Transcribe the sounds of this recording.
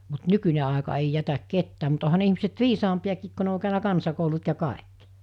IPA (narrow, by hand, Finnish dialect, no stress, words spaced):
mut nykynʲe ɑˑekɑ ei jætæk ketːæː mut ohɑ ne ihmiset ʋiːsɑmpiɑkiːk ko ne o kæˑønæ kɑnsɑkoulut jɑ kɑˑekːi̥